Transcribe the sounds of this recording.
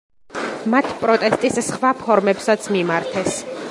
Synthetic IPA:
mat̪ʰpʼɾɔt̪ʼɛst̪ʼissχwapʰɔɾmɛpsat̪sʰmimaɾt̪ʰɛs

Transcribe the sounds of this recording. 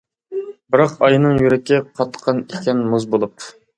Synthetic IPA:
bɪɾɑqɑjnɨŋjyɾɛkʲʰːɪqʰɑt̪ːə̥qʰːɑnikʲɛnmuzbolˠup̚

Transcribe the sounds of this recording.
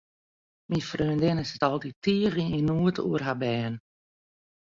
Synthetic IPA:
mifrøːndɪnɪsətɔlˠtitiəriinuətʰṵərɦabɛːn

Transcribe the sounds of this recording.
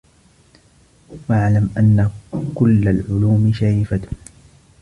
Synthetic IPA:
waʕlamʔanːakʊlːalʕʊluːmɪʃaɪfat̪

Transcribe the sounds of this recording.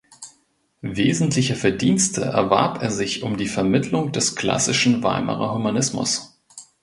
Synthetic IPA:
veːzn̩tʰlɪçəfɛɐdiːnstʰə̰ʔɛ̰ɐva̰ɐpeːɐzɪçʊmdiːfɛɐmɪtʰlʊŋd̥ɛskl̥a̰sɪʃn̩va̰ɪmʔɐ̰ʁɐ̰humanɪsmʊ̰s

